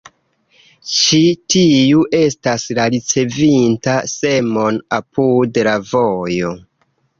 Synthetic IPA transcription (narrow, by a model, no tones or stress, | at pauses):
t͡ʃitiuʔe̞staslaɾit͡se̞vintase̞mo̞napʰudlavojo̞